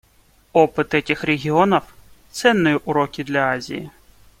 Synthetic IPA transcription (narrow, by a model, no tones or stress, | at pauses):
ɔpɪt̪ɛkʲɪxɾeɦʲiɔnɔwt̪sɛnːɔjiʔʊɾɔkʲid̪lʲɐazʲḭjḭ